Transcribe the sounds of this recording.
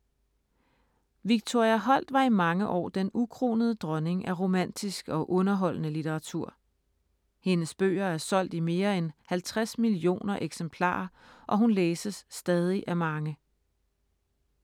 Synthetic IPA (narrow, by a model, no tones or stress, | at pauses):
ʋiɡ̥̚t͡sʰo̝ɐ̰iæɦɒ̽l̰d̥ʋɑ̈imɑ̈ŋəʔɒ̰ːd̥enukʰʁo̝̰ːnəð̞ˠəd̥ʁɒne̝ŋʔæʁo̝mæn̰d̥isɡ̥ɒ̽ʔɔ̽nɐɦɒ̽l̰nəlit͡sʰeʁɑ̈t͡sʰuɐ̰ | he̝nəsb̥ø̰ːɐæɐsɒ̽l̰d̥ime̝ːɐenhælt͡sʰʁasmilio̝̰ːnɐʔeɡ̥sempʰlɑ̰̈ːɐ | ʔɒ̽ɦunleːsəsːd̥ɛːð̞ˠiʔæmɑ̈ŋə